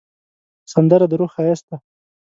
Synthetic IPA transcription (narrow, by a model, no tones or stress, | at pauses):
sand̪əɾad̪əɾoxajast̪a